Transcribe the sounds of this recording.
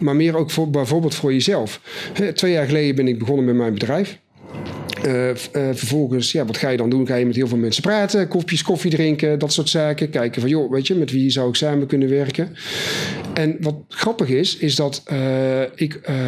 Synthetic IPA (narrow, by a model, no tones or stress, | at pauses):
maːɹmɪːrowkfbɛjvʊːɹbɪːlˠtfʊːɹjəzɛlˠfhɛtʋejaːɹχəlejdəbɛnɪɡ̚bəɣɔnəmɛmɛjnbədrɛjf | vəɹvɔlˠɣənsjaːʋɑtxaːjədɑndunɣaːjəmɛtɦɪːlˠvɪːlˠmɛnsə̥praːtəkɔfjəskɔfidrɪŋkədɑtsʊːɹtsaːkəkɛjkəvɑnjoʋejtəmɛtʋiːzɑwɪksaːməkɵnəʋɛɹkən | ɛnʋɑtxrɑpəxɪsɪzdɑt | ɪk